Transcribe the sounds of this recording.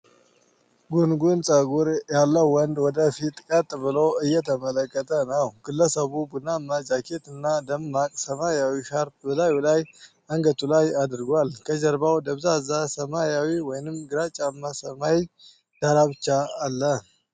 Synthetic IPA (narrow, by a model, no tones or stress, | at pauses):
ɡunɡunsʼəɡuɾjalːəwːɔnd̪wɔd̪əfit̪ʼkʼət̪ʼbɨloɨjːɛt̪ʰəmələkːət̪ʰənəwɡ̥ɨlːəsəβubunamːad͡ʒakʰet̪ɨnːad̪əmːakʼsəmajawiʃaɾpbəlajulaj | aŋɡət̪ʼulajad̪ɨɾɡalkʰəd͡ʒəɾbawd̪əβzazasəmajawiwɔjnɨmɡɨɾat͡ʃʼamːasəma | d̪̥aɾaβt͡ʃːaːlːə